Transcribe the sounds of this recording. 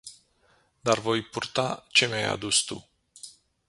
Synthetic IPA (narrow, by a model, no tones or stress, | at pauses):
d̪arvo̞jpurt̪at͡ʃe̞meaja̰d̪ust̪ṵ